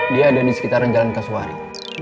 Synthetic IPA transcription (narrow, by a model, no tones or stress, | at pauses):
diaːdadisə̥kit̪aɾaɲd͡ʒalankasua̰ɾḭ